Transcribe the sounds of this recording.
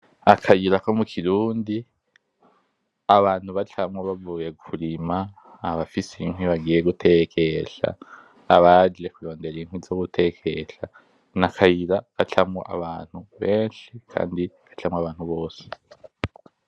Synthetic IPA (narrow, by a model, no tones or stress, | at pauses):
akʰajiɾako̞mukʰiɾuːndi | aβaːn̥huβat͡ɬʰamwaβavuːje̞kʰuɾimaː | βafisein̥ɦwiβaɡiːjeɡutʰe̞kʰe̞ɬa̰ː | βad͡ʒe̞kuɾo̞ːnde̞ɾin̥hwizoɡutʰe̞kʰe̞ɬa | nakʰajiɾakat͡ɬʰamwo̰ʔa̰βaːn̥huβe̞ːnʃikʰa̰ːndiβat͡ɬamwaβaːn̥huβo̞ːse̥